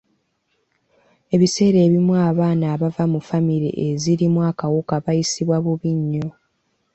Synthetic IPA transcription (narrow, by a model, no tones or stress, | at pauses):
e̞βise̞ːɾe̞ːβimwaːβaːnaːβavamufamiɾḭʔeziɾimwakawukaβajisiβwaβuβiɲːo̞